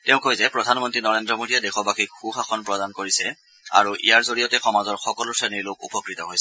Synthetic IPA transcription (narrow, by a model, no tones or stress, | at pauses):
tɛʊ̃kʰojzɛpɹɔdʱanmɔntɹinɔɹendɹɔmodijadɛxɔbakʰikxuxakʰɔnpɹɔdankoɹisɛ | a̰ɹuʔḭjaɹzoɹijɔtɛxɔmazɔɹxɔkɔlʊsɹeniɹlokṵpɔkɹitɔɦojsɛ